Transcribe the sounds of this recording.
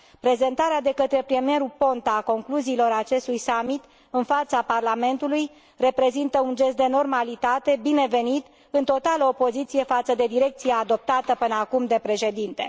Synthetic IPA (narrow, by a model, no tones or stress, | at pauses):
pɾe̞ze̞nt̪aɾead̪e̞kət̪ɾe̞pɾiemie̞ɾupo̞nt̪aːko̞ŋkluziːlo̞ɾat͡ʃe̞st̪ujsamit̪ | ɨnfat̪saparlame̞nt̪uluj | re̞pɾe̞zint̪əund͡ʒe̞st̪̚d̪e̞no̞rmalit̪at̪e̞bine̞ve̞nit̪ | ɨnt̪o̞t̪aləopo̞zit̪sije̞fat̪səd̪e̞d̪iɾe̞k̚t̪sijaːd̪o̞p̚t̪at̪əpɨnəakumd̪e̞pɾe̞ʃe̞d̪int̪e̞̰